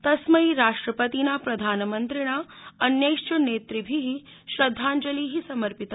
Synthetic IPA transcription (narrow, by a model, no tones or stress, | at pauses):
t̪ɐsmɐiɾaːʂʈɾəpət̪inapɾɐd̪ʱaːnɐmənt̪ɾiɽ̃aɐnjɐjʂʈɐneːt̪ɾibʱiɦi | ʃɾɐd̪ʱːaːɲd͡ʒɐliːɦisɐməɾpit̪ɐ